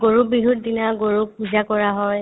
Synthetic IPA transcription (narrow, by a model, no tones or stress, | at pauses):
ɡoɹubiɦut̚dinaɡoɹuk̚puzakɔɹaɦɔj